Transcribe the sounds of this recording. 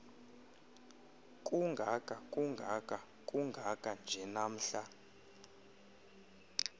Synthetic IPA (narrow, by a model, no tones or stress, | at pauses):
kʼuŋɡʱakʼakʼuŋɡʱakʼa | kʼuŋɡʱakʼand͡ʒʱɛnam̩ɬa